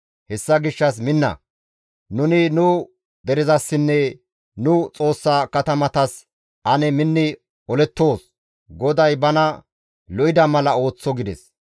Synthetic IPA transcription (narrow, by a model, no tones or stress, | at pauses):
hɛsːɐɡɪʃːɐs̬mɪnːɐ̰ | nʊnɪnʊ | d̪ɛɾɪzɐsːɪnːɛ | nʊt͡sʼo̞ːsːaːkɐt̪ɐmɐt̪ɐs | ʔɐnɛmɪnːɪ | ɔlɛt̪ːo̞ːs | ɡɔd̪ɐjbɐnɐ | lɔʔɪd̪ɐmɐlɐo̞ːt͡sːɔɡɪd̪ɛs